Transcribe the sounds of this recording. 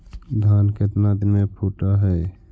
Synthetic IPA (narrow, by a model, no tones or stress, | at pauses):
d̪ʱanket̪nad̪imepʰuʈaɦɛ